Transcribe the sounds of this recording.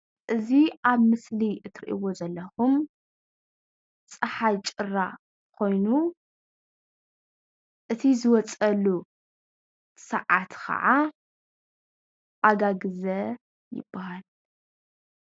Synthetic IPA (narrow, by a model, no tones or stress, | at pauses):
ʔɨziʔaβmɨsliɨt̪ʰɨɾiʔḭwo̞zɐlːɐxum | t͡sʼɨħajt͡ʃʼɨrːa | kʰo̞jnu | ʔɨt̪ʰizɨwɔt͡sʼɐlːu | sɐ̰ʕat̪kʰɐ̰ʕa | ʔaɡaɡɨzɐ | jɪ̰b̥ːahal